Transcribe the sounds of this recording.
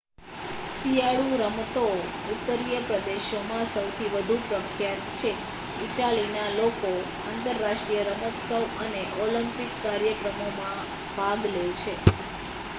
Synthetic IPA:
siaɭũɾəmət̪out̪ːəɾijəpɾəd̪eʃomãsəwt̪ʰiʋəd̪ʱupɾəkʰjat̪t͡ʃʰe | iʈalinaloko | a̰ːnt̪əɾːaʃʈɾijəɾəməksəwəneʔolimpɪkːaɾjəkɾəmomã | bʱaɡlet͡ʃʰe

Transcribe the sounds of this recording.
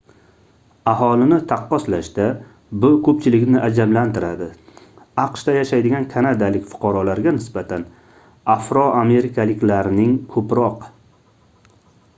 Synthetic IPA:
aɦɒlɪnɪt̪ʰaqːɒslaʃt̪a | bʊkʰɵpt͡ʃʰɪlɪkʲnɪʔad͡ʒamlant̪ɪɾad̪ɪ | ɑqʃt̪ajaʃajd̪ɪɡʲankʰanad̪alɪkʲfʊ̥qʰɑɾɒlaɾɡʲanɪsbat̪ʰan | afɾɒame̞ɾɪkʰalɪkʲlaɾnɪŋkʰɵpɾɒq

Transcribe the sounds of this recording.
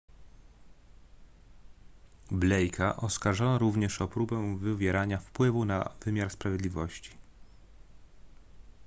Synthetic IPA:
blɛjkʰaʔɔskaɾʐɔnaɾuvɲɛʂɔpɾubɛw̃vɘvʲjɛɾaɲafpwɘvuna̰vɘmʲjaɾspɾavʲjɛd̪lʲivɔɕt͡ɕi̥

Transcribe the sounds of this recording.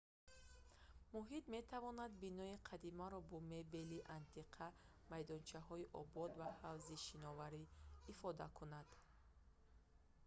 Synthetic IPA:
muɦit̪me̞t̪ʰavɔnad̪binɔiqʰad̪imaɾɔbɔme̞be̞liʔant̪ʰiqʰa | majd̪ɔnt͡ʃʰaɦɔiʔɔbɔd̪vahavziʃinɔvaɾiːfɔd̪a̰kʰunad̪̥

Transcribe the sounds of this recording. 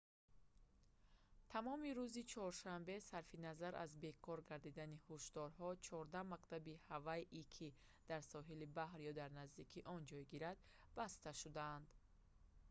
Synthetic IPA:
t̪ʰamɔmiɾuzit͡ʃʰɔɾʃambe̞saɾfinazaɾʔa̰zbe̞kʰɔɾɡaɾd̪id̪anihuʃd̪ɔɾɦɔt͡ʃʰɔɾd̪amakt̪ʰabihavaiʔikʰi | d̪̥aɾsɔɦilibahɾjɔd̪aɾnazd̪ikʰiʔɔnd͡ʒɔjɡiɾad̪ | bast̪aʃud̪aːnd̪

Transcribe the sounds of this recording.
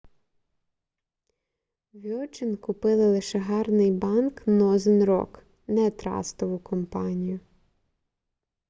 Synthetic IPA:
ʋʲɔt͡ʃɪnkʊpɪlˠɪlˠɪʃɛɦɑrnɪjbɑnknɔzɪnɾɔ̰k | nɛt̪ɾɑ̰st̪ɔʋʊkɔmpɑnʲijʊ

